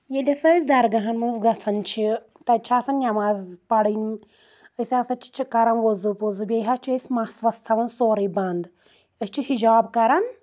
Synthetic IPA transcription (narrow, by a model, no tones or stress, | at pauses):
jelʲɐsɐsd̪ɐɾɡɐɦɐnmunzɡɐt͡sʰɐnt͡ʃʰi | t̪ɐt͡ʃʰaːsɐnjɐmaːzpɐɽin | əsʲasɐt͡ʃʰi̥t͡ʃʰikɐɾɐnʋozupozubʲeɦɐt͡ʃʰiəsʲmasʋɐst̪ʰɐʋɐnsoːɾibɐnd̪ | əst͡ʃʰihid͡ʒaːbkɐɾɐn